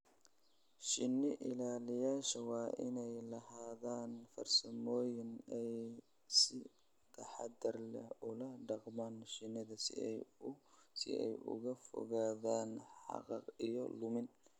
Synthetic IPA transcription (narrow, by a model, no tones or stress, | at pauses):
ʃɪnːɪʔɪlaːlɪjaːʃɐwɑːʔɪnɛjlɐhaːðaːnfɐrsɐmɔːjɪnɛj | sɪ | t̪ʰɐħɑd̪ɐrlɛʊlɐɖɑqmaːnʃɪnːɪðɐs | sɪ̰ʔɛ̰jʊ̰ɣɐfɔ̰ɣaːðaːnħħɑ̰qɑqijɔ̰lʊmɪn